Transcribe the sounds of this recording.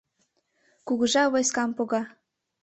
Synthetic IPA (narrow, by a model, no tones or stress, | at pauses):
kuɣəʒɑβojskɑmpoɣɑ